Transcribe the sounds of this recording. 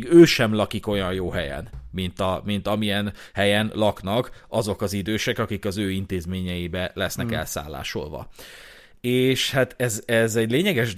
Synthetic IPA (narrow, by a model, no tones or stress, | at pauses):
ɡøːʃɛmlɒkiko̞jɒnjoːɦɛjɛ̰nmint̪ɒmint̪ɒmijɛn | hɛjɛnlɒknɒkɒzo̞kɒzid̪øːʃɛkɒkikɒzøːint̪eːzmeːɲɛjibɛlɛsnɛkɛ̰lsa̰ːlːa̰ːʃo̞̰lʋɒ̰ | eːʃhat̪ɛzɛzɛɟleːɲɛɡɛʒ